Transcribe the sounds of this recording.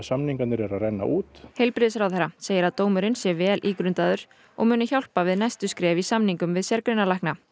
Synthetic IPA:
samniŋkat̪nɪɾɛɾarɛnːa̰ʔuːt̪hejlpɾɪðsɾawθɛɾaseːjɪɾaðt̪oːwmʏɾɪnsjɛvɛːlʔiːkɾʏnt̪aðʏɾ̥ | ɔ̰ɣmʏːnʏçawl̥pavɪðnajst̪ʏskɾɛːvisamniŋkʏmvɪðsjɛɾkɾʏnalajhkna

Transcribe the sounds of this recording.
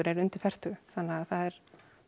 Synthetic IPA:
ʏɾɛɾʏnt̪ɪɾ̥fɛr̥t̪ʏθanːaaθaðɛɾ̥

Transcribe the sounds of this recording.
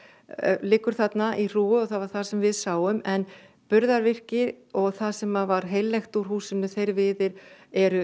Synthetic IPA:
lɪːkʏɾ̥θat̪naʔir̥uːʏɔɣθaðvaɾ̥θasɛmvɪðsaːwʏmɛn | pʏɾðaɾvɪr̥cɪ | ɔɣθasɛmavaɾɦeːjlːɛjxt̪uɾ̥huːsɪnːʏθejɾvɪːðɪɾɛɾʏ

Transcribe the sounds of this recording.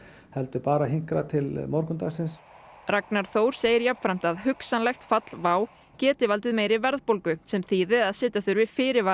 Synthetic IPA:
hɛlt̪ʏpaːɾaɦiŋkɾat̪ʰɪlmɔɾkʏnt̪asɪns | raknaɾ̥θoːwɾ̥seːjɪɾjapn̥fɾam̥t̪aðhʏksanlɛxt̪fat̪l̥vaːw | cɛːt̪ɪvalt̪ɪðmeːjɾɪvɛɾðpowlkʏsɛmθiːðɪaðsɪːt̪aθʏɾvɪfɪːɾɪva

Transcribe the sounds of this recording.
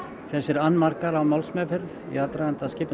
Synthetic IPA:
θɛsːɪɾanːmarkaɾawmawlsmɛfɪɾθḭat̪ɾaɣant̪ascɪːp

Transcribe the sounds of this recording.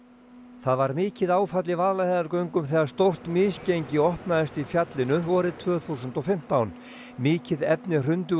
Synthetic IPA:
θaðvaɾmɪːcɪðaːwfat̪lɪvaːðlahɛːðaɾkœɥŋkʏmθɛːɣaɾ̥st̪owr̥t̪mɪːscejɲcɪɔhpnaðɪst̪ifjat̪lɪnʏɔːɾɪðt̪ʰvœːθusʏnt̪ɔfɪm̥t̪awn | mɪːcɪðɛpnɪr̥ʏnt̪ʏ

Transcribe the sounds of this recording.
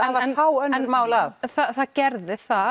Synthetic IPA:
avanawənmawlaθaθaɡ̥ɛɾðɪθa

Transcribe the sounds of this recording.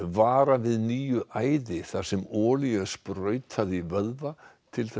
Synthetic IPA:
vaːɾavɪðniːjʏʔaːjðɪθḁsɛmɔːliɛspɾœːɥt̪ʰhaðivœðvat̪ʰɪlθɛ

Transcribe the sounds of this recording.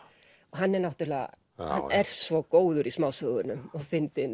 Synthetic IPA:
ɔɦanːɛɾnawht̪ʏɾlːa̰ | ha̰nɛɾ̥svɔkoːwðʏɾismaːwsœɣðʏnʏmɔɣfɪnt̪ɪ

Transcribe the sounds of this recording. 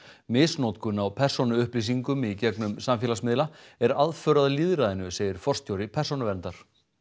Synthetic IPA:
mɪːsnowt̪kʰʏnawpʰɛr̥sɔnʏʏhplis̬iŋkʏmicɛknʏmsamfjɛːlasmɪðlaɛɾaðfœːɾaðaliːðɾaðɪnʏseːjɪɾ̥fɔr̥st̪ʰjowɾɪpʰɛr̥sɔnʏvɛnt̪aɾ̥

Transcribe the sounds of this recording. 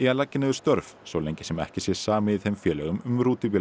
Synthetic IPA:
ialacːɪnɪvɪst̪œɾfsowleɲcɪ̥sɛmɛ̰hcɪsjɛ̥saːmɪɪθhɛmfjɛːlɛɣʏmʏmɾuːt̪ɪvɪ

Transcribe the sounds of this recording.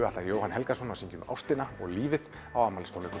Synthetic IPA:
at̪aɾjoːwhanhɛlkasɔnawsiɲcʏma̰wst̪ɪnaɔɣliːvɪð | awaːmːalɪst̪ownɪk

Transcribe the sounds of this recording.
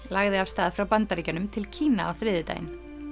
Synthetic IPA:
laɣðɪafst̪aːðfɾawpant̪aɾicanʏmt̪ʰɪlcʰiːnaawfɾɪːðɪt̪a̰jɪ̰n

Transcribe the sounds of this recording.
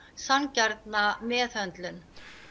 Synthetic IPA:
sancaɾt̪namɛːθœnt̪lʏn

